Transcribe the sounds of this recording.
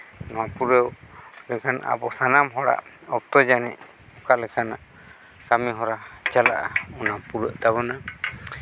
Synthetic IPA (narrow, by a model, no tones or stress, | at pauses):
nɔwapuɾəwlɛkʰana̰ʔa̰bɔsanamɦɔɽa̰ʔ | ɔk̚t̪ɔd͡ʒanɛ̰ʔ | ɔkalɛkʰanaʔ | kamiɦɔɾat͡ʃalaʔaɔnapuɾəʔt̪aβɔna